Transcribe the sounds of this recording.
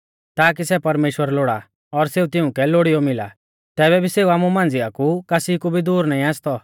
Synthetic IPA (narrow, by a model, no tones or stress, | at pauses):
t̪aːk̬isɛpɐɾmeːʃwəɾloɽa̰ | ɔɾseːut̪ɪʊ̃kɛloɽijɔmɪla̰ | t̪ɛːβɛbʱiseːuaːmumãːnd͡zɪakukasikubʱid̪uːɾnaːĩaːst̪ɔ